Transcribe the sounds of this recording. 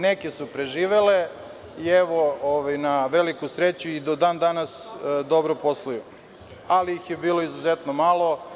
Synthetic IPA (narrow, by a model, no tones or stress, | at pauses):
nekesupɾe̞ʒiːʋele | ieʋooʋajnaʋelikusɾet͡ɕuid̪od̪and̪anasd̪o̞bɾopo̞slˠuju | aliixjebiːlˠo̞izuzet̪nomalˠo̞